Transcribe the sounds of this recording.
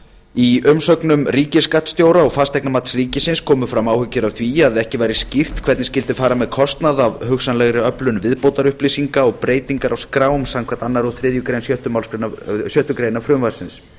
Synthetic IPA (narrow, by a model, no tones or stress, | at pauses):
iʏmsœknʏmriːcɪskat̪st̪joːwɾaɔɣfast̪ɛjknamat̪sriːcɪsɪnskʰɔːmʏfɾamaːwhʏcːɪɾavθviaðɪɛhcɪvajɾɪscɪft̪kʰvɛt̪nɪscɪl̪t̪ɪfaːɾamɛðkʰɔst̪naðavhʏxsanlɛɣɾɪœplʏnvɪðpowt̪aɾʏhplisiŋkaɔɣpɾeːjt̪iŋkaɾʔawskɾaːwʏmsamkʰvant̪anːaɾɔðθɾɪðjʏkɾejnsjœht̪ʏmawlskɾenasjœht̪ʏkɾejnafɾʏmvaɾ̥sɪns